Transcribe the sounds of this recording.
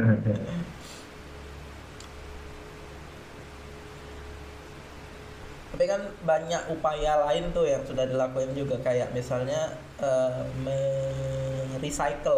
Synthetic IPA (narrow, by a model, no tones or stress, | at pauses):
t̪apikanbaɲakupajalaɪnt̪ʊhjaŋsudahdilakuɪnd͡ʒuɡakajaʔmisalɲa | ʔəmə | ɾisaikəl